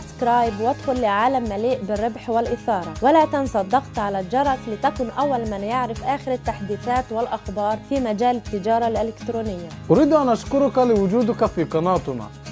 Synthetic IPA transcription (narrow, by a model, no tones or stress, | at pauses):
bskɾˤɑːjbwat̪xʊlːɪʕaːlamːaliːʔbɪrːɪbħwɪlʔɪθɑːɾˤɑwalaːt̪ɪnsˤɑd̪ːɑqt̪ʕalad͡ʒɑɾˤɑslɪt̪akʊnʔawːalmanjaʕɾɪfʔaːxɪɾat̪ːaħd̪iːθaːt̪wɪlʔɑxbɑːɾˤfiːmad͡ʒaːlɪt̪ːɪd͡ʒɑːɾˤɑlʔɪlɪkt̪ɾuːnɪjːaʔʊɾiːd̪ʔanʔaʃkʊɾʊkalɪwʊd͡ʒuːd̪ʊkafiːqɑnɑːt̪ˤna̰